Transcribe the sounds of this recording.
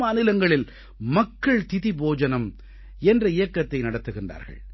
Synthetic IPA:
maːnɪlɐŋɡɐɭɪl | mɐkːɐɭt̪ɪðiboːd͡ʒɐnɐm | ɛndrɐɪjɐkːɐt̪ːɐɪnɐɽɐt̪ːɯɣɪndra̰ːɾɣɐ̰ɭ

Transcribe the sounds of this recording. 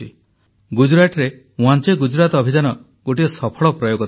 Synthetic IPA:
ḭ | ɡud͡ʒɾaʈɾe | ũɦant͡ʃeɡud͡ʒɾat̪ɔbʱid͡ʒanɔ | ɡ̥oʈiɔsɔpʰɔɭɔpɾɔjoɡɔ

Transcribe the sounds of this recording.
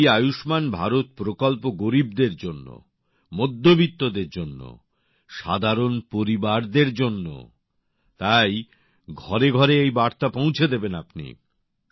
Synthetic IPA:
jajuʃmanbʱaɾot̪̚pɾokolpoɡoɾib̚d̪eɾd͡ʑonːo̰ | mod̪ʱːobit̪ːod̪eɾd͡ʑonːo̰ | ʃa̰d̪ʱaɾonpoɾibaɾd̪eɾd͡ʑonːo̰ | t̪aj | ɡʱɔɾeɡʱɔɾeejbaɾt̪apõw̃t͡ɕʰed̪ebenapnḭ

